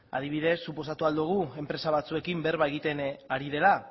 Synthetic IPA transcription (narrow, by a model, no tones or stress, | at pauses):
a̰ð̞iβ̞iðe̞sːupo̞sat̪uald̪uɣ̞ue̞mpɾe̞saβ̞at͡sue̞kimbeɾβaeɣit̪e̞naɾið̞e̞la